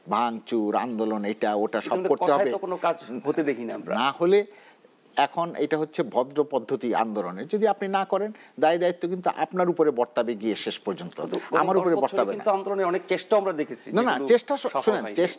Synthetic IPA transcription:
bʱaŋt͡ɕuɾa̰nd̪olonejʈaoʈaʃɔkoɾt̪eɦɔbeokonokad͡ʑɦot̪ed̪ekʰinamɾanahole | ɛkʰonʔḛjʈaɦotːɕʰebʱɔd̪ɾopɔd̪ʱːot̪ia̰nd̪oloned͡ʑod̪iapninakɔɾend̪ajd̪ait̪ːokint̪uʔa̰pnaɾupoɾebɔɾt̪abeɡieʃeʃpɔɾd͡ʑont̪o̰a̰maɾupoɾebɔɾt̪abeinauand̪oloneɔnekt͡ɕeʃʈoamɾad̪ekʰet͡ɕʰinanat͡ɕeʃʈaʃunent͡ɕeʃ

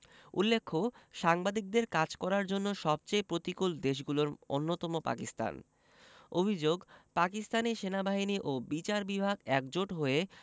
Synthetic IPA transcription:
ṵlːekʰːoʃaŋbad̪ik̚d̪eɾkad͡ʑkɔɾaɾd͡ʑonːoʃɔb̚t͡ɕejpɾot̪ikuld̪eʃ̬ɡuloɾo̰nːot̪ɔmopa̰kist̪a̰n | obʱid͡ʑoɡpakist̪aniʃenabaɦiniʔobit͡ɕaɾbibʱaɡɛkd͡ʑoʈɦoe

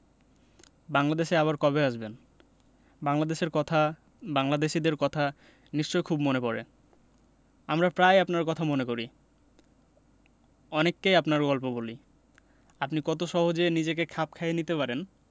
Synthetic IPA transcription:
baŋlad̪eʃeaβaɾkɔbeaʃben | baŋlad̪eʃeɾkɔt̪ʰa | baŋlad̪eʃid̪eɾkɔt̪ʰa | niʃt͡ɕojkʰubmonepɔɾḛ | amɾapɾajapnaɾkɔt̪ʰamonekoɾi | ɔnekːejapnaɾɡɔlpoboli | apnikɔt̪oʃɔɦod͡ʑenid͡ʑekekʰap̚kʰaenit̪epaɾen

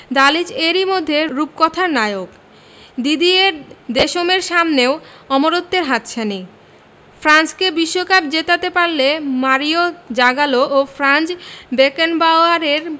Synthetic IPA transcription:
d̪alid͡ʑeɾimod̪ʱːeɾup̚kɔt̪ʰaɾnajok | d̪id̪ieɾd̪eʃomeɾʃamneo | ɔmoɾot̪ːeɾɦat̪ɕʰani | fɾanskebiʃːokap̚d͡ʑet̪at̪epaɾlemaɾiod͡ʑaɡaloʔofʰɾant͡ɕbekenbaoaɾeɾ

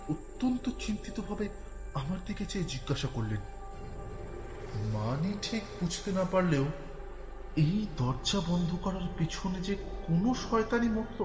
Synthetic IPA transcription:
ot̪ːont̪ot͡ɕint̪it̪obʱabe | amaɾd̪ʱiket͡ɕed͡ʑiɡːaʃakoɾlen | maniʈʰikpud͡ʑʰt̪enapaɾleo | ejd̪ɔɾd͡ʑabɔnd̪ʱokɔɾaɾpit͡ɕʰoned͡ʑekonoʃɔet̪animot̪ʰo

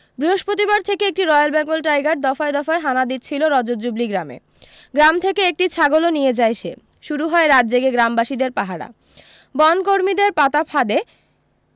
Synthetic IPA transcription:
bɾiɦoʃpɾot̪ibaɾt̪ʰekeek̚ʈiɾɔealbɛŋɡolʈajɡaɾ̚d̪ɔfaed̪ɔfaeɦanad̪it̪t͡ɕʰiloɾɔd͡ʑod͡ʑubliɡɾamḛ | ɡɾamt̪ʰekeek̚ʈit͡ɕʰaɡolonijed͡ʑajʃʰe | ʃuɾuɦɔeɾad̪d͡ʑeɡeɡɾambaʃid̪eɾpaɦaɽa̰ | bɔnkoɾmid̪eɾpat̪apʰad̪e

